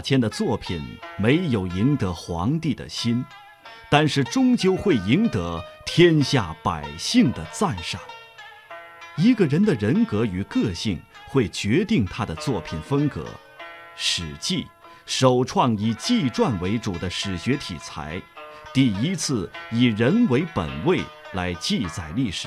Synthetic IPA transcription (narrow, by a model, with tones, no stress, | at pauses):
t͡ɕʰjɛ˥nd̪ə˨t͡swɔ˥˩pʰi˨˩nme˧˥ɪjo˨˩ʊi˧˥ŋt̪ɤ˧˥xwɑ˧˥ŋt̪i˥˩d̪ə̰˩ɕi˥n | t̪a˥˧nʂɻ̩˥˩ʈ͡ʂʊ˥ŋt͡ɕjo˥ʊxwe˥˩ɪi˧˥ŋt̪ɤ˧˥t̪ʰjɛ˥nɕja˥˩pa˨˩ɪɕi˥˩ŋd̪ə˩t͡sa˥˧nʂa˥˩ŋ | i˧˥ɡə˧ɻə˧˥nd̪ə˨ɻə˧˥nkɤ˧˥y˨˩kɤ˥˧ɕi˥˩ŋxwe˥˩ɪt͡ɕɥɛ˧˥t̪i˥˩ŋt̪ʰa˥d̪ə˨t͡swɔ˥˩pʰi˨˩nfə˥ŋkɤ̰˧˥ | ʂɻ̩˨˩t͡ɕi˥˩ | ʂo˨˩ʊʈ͡ʂʰwɑ˥˩ŋi˨˩t͡ɕi˥˧ʈ͡ʂwa˥˩nwe˧˥ɪʈ͡ʂu˨˩d̪ə˦ʂɻ̩˨˩ɕɥɛ˧˥t̪ʰḭ˨˩t͡sʰa̰˧˥ɪt̪i˥˩i˥t͡sʰɹ̩˥˩i˨˩ɻə˧˥nwe˧˥ɪpə̰˨˩nwe˥˩ɪ | la˧˥ɪt͡ɕi˥˩t͡sa˨˩ɪli˥˩ʂɻ̩˨˦